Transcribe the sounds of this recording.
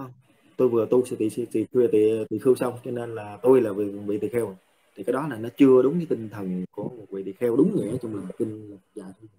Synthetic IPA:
wŋ͡m | t̪o˧jvɨ˨˩ət̪u˧sɛ̰˧˥t̪ḭ˧˨si˧sḭ˧˨wi˧˩t̪ḭ˧˨t̪ḭ˧˨xi˧wsa˧wŋ͡mt͡ɕɔ˧ne˧nlaː˨˩t̪o˧jlaː˨˩vvḭ˧˨t̪ḭ˧˨xɛ˧w | t̪ʰi˨˩kaː˨˦jɗɔ˨˦laː˨˩nɔ˨˦t͡ɕɨ˧əɗʊ˨˦ŋ͡mkaː˨˦jt̪i˧ŋ̟t̪ʰə˨˩nku˧˩əmo˨˩t̚vḭ˧˨t̪ḭ˧˨˩xɛ˧wɗʊ˨˦ŋ͡mɲɛ̰˧˥t͡ɕɔ˧ŋ͡mmi˨˩m̚˨˩t̪i˧n˨˩zaː˧˨˩jt̪ʰ

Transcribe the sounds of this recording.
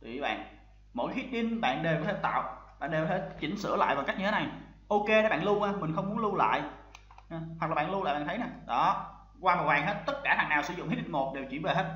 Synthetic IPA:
t̪wḭ˨i˧˨˩ɓa̰ː˧˨n | mo̰˧˥jkːxi˦˥t̚ɓi˧nɓa̰ː˧˨nɗe˨˩wt̪ʰe˧˩˦t̪a̰ː˧˨wɓa̰ː˧˨nɗe˨˩wt̪ʰe˧˩˦t͡ɕï˧˩˦ŋ̟sɨ̰˧˥əla̰ː˧˨jvaː˨˩ka˦˥jk̚ɲɨ˧t̪ʰe˨˦na˨˩j | ʔo˧ke˧˨˩ɓa̰ː˧˨lu˧ʔaː˧˩mï˨˩ŋ̟xə˧wŋ͡mmu˨˦ə˦nlu˧la̰ː˧˨j | wa˨˩laː˨˩ɓ̰ːnlu˧aː˧˨jɓaː˧˨t̪ʰə˦na˨˩ɗɔ˨˦ | kwaː˧ma˨˩w̚waː˨˩ŋɦe˦˥t̚t̪ə˦˥t̚kaː˧˩haː˨˩ŋnaː˨˩wsɨ̰˨˧˦zʊ̰˧˨ŋ͡mhi˦˥t̚ɗi˧˥˩ŋmo˨˩t̚ɗe˨˩wt͡ɕwi˧˩ənve˨˩ɦe˦˥t̚

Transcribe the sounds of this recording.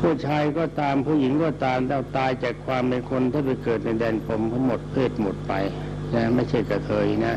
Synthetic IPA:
pʰu˥˩˨t͡ɕʰaː˧jkɔː˥˩t̪aː˧mpʰuː˧˩˨ji˨˩˦ŋkɔː˥˩t̪aː˧mt̪a˧˥˩t̪aː˧jt͡ɕaː˨˩kʰwaː˧mpe˧nkʰo˧nt̪ʰaː˥˩pa˧jkɤː˨˩t̪̚na˧jdɛː˧npʰo˧mt̪ʰa˦˥ŋmo˨˩t̪̚pʰeː˥˩t̪̚mo˨˩t̪̚pa̰˧j | na˦˥ma˥˩jt͡ɕʰa˥˩jka˧t̪ʰɤː˧jna˦˥

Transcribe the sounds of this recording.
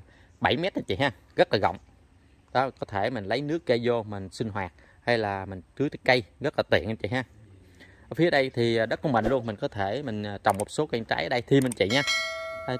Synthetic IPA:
ɓa˧˩jmɛ˦˥t̚ʔə˧t͡ɕḭ˧˨ɦaː˧ | ɣə˦˥t̚laː˨˩ɣə̰˧˨wŋ͡m | ɗɔ˨˦kɔ˨˦t̪ʰe˧˩mi˨˩ŋ̟lə˨˦jnɨ˦˥əkːə˧jzo˧mï˨˩ŋ̟sï˧ŋɦwaː˨˩t̚ | ha˧jlaː˨˩mï˨˩ŋ̟t͡ɕɨ˨˦t̪ːkə˧jɣə˦˥t̚laː˨˩t̪wḭ˧˨ənə˧t͡ɕḭ˧˨ɦaː˧˩ | fi˨˦ə˦ɗə˧jt̪ʰi˨˩˨ɗə˦˥t̚ku˧˦mɓə̰˧˨ŋ̟lu˧ənmi˨˩ŋ̟kɔ˨˦t̪ʰe˧˩mï˨˩ŋ̟ː˨˩t͡ɕɔ˨˩wŋ͡mmo˨˩t̚so˨˦kwa˧ŋt͡ɕa̰ː˦jʔə˧ɗə˧jt̪ʰi˨˩mï˨˩ŋ̟t͡ɕḭ˧˨ɲaː˧

